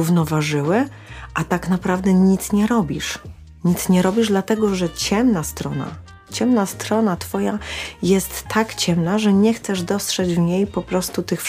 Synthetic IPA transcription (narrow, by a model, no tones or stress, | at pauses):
uvnɔvaʐɘwɘ | ʔat̪aknapɾavd̪ɛɲit̪sɲɛɾɔbʲiʂ | ɲit̪sɲɛɾɔbʲiʐd̪lat̪ɛɡɔʐɛt͡ɕɛmnast̪ɾɔna̰ | t͡ɕɛmnast̪ɾɔnat̪fɔjajɛst̪ːakt͡ɕɛmnaʐɛɲɛxt̪sɛʐd̪ɔstʂɛd͡ʑvɲejpɔpɾɔst̪ut̪ɘxf